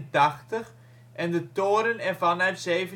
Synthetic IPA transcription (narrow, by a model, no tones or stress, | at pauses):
ntɑχtəχ | ʔɛndətoːɾənɛnvɑnœɥtsejvə